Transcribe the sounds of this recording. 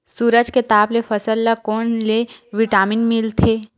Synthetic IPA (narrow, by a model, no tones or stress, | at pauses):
suːɾəd͡ʒket̪aːplefɐsəlːakoːnleʋɪʈaːmɪnmɪlt̪ʰeː